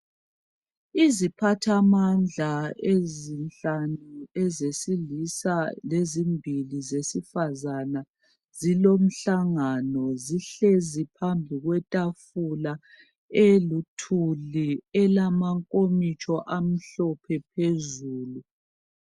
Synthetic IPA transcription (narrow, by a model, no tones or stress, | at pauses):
izipʰatʰamand͡ɮʱaezinɬanuɛzesilisalezimbʱilizesifazana | zilom̩ɬaŋanɔziɬezipʰambʱiɣwɛtʼafula | elutʰuliɛlamaŋkʼomit͡ʃʼɔʔam̩ɬɔpʰɛpʰezuːlu